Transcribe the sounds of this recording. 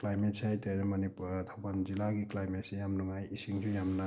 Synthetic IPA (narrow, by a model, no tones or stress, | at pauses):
klajmet̚siajteɾemɐniputʰawbanzilaɡiklajmetsijamnuŋajisiŋsujamna